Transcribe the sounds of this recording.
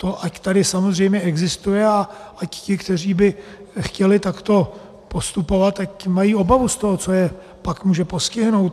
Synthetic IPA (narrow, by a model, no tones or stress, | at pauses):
t̪o̞ʔact̪adɪsamozr̝ɛjmɲɛɛɡzɪst̪ujɛaʔaccɪkt̪ɛr̝iːbɪxcɛlɪt̪akt̪o̞ | po̞st̪upo̞vat̪ːacmajiːo̞bavust̪oɦot͡so̞jɛ | pakmuːʒɛpo̞scɪɦno̞wt̪